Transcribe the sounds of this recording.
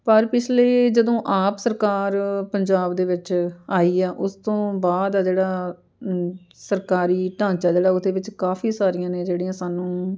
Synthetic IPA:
pəɾpɪt͡ʃʰleːd͡ʒəd̪õːʔaːpsəɾkaːɾpəɲd͡ʒaːbd̪eːʋɪt͡ʃaːiːɛːʔʊst̪õːbaːd̪d͡ʒeːɽaː | səɾkaːɾiːʈãːɲt͡ʃaːd͡ʒeːɽaːʊd̪eːʋɪt͡ʃkaːfʰiːsaːɾijãːneːd͡ʒeːɽijãːsaːnũː

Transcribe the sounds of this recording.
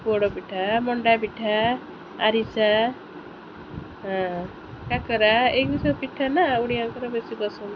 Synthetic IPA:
bɔɽɔpiʈʰamɔɳɖapiʈʰaː | ɾisa | ɦã | kakɔɾaekbisapiʈʰːanauɽiaŋkɔɾabesibɔsun

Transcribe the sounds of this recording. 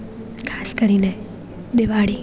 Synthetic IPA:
kʰaskəɾine | d̪eʋaɭi

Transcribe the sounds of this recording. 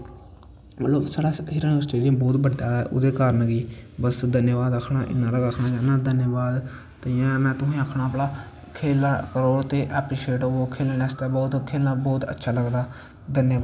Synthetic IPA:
məlloːbsaːɽaːɦɪɾənsʈeːlɪjəmbɔːt̪bəɖːaːɛːʔʊ̰d̪eːkaːɾənɡiːbəsd̪ənjəʋaːd̪əkʰnaːʔɪ̰nːãːɾəɡəkʰnaːd͡ʒãːnãːd̪ənjəbaːd̪ | t̪eãːmɛ̃ːt̪ʊɦĩːəkʰnaːplaː | kʰeːlːkəɾoːɽt̪eːʔɛːpɾiːʃeːʈooːkʰeːlːɛːst̪aːbɔːt̪kʰeːlnãːbɔːt̪ə̰tːʃʰaːləɡd̪aː | d̪ənjə

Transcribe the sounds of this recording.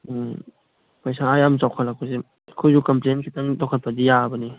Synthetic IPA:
pajsaːjamt͡ʃawkʰatlak̚ʰose | kʰojzukɐmplenkʰitaŋdɔkʰat̚pɐdijabəni

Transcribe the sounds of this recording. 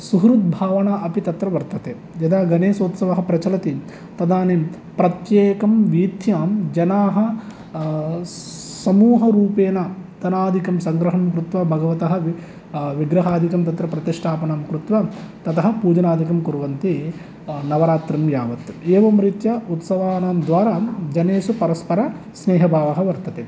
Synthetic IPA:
suɦɾut̪̚bʱaːʋɐɳaʔɐpit̪ɐt̪ɾɐʋɐɾt̪ɐt̪eː | jɐd̪aːɡɐneːsoːt̪sɐʋɐɦɐ̆pɾɐt͡ʃɐlɐt̪i | t̪ɐd̪ʱaːneː | pɾɐt̪jeːkɐmʋiːt̪jaːmd͡ʒɐnaːɦɐ̆ | sɐmuːɦɐɾuːpeːnɐt̪ɐnaːd̪ʱikɐmsɐŋɡɾɐɦɐmkɾut̪ʋɐbʱɐɡɐʋɐt̪ɐɦɐ̆ | ʋiɡɾɐɦaːd̪ʱikɐmt̪ɐt̪ɾɐpɾɐt̪iʂʈʰaːpɐnaːmkɾut̪ʋɐt̪ɐt̪ɐɦɐpuːd͡ʒɐnaːd̪ʱikɐmkuɾʋɐnt̪i | nɐʋɐɾaːt̪ɾɐmjaːʋɐt̪eːʋɐmɾit̪jɐut̪sɐʋaːnaːmd̪ʋaːɾaːd͡ʒɐneːsupɐɾɐspɐɾɐ | sneːɦɐbʱaːʋɐɦɐʋɐɾt̪ɐt̪e

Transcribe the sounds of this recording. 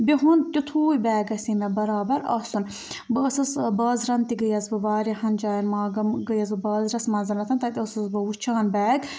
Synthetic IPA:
biɦunt̪it̪ʰuːibɛːɡɐsinɐbɐɾaːbɐɾɐ̰sun | bɨːsɐsbɐːzɾɐnt̪iɡɐjɐzbɨʋaːɾihɐnd͡ʒaːjɐnmaːɡɐmɡəjɐzɨbɐːzɾɐsmɐnzɐnɐt̪ʰɐnt̪ɐt̪iɐsɐzbɐut͡ʃʰaːnbɛːɡ

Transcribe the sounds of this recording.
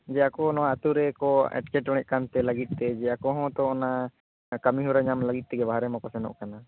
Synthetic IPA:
d͡ʒɛakɔnɔaat̪uɾɛkɔɛ̰ʈ̚kɛʈɔɽ̃ɛʔ̚ˀkant̪ɛləɡit̪̚ˀt̪ɛd͡ʒɛakɔɦɔ̃t̪ɔɔna | kamiɦuɾaɲamləɡit̪̚ˀt̪ɛɡɛbaɦaɾɛmakɔsɛnɔ̰ʔkana

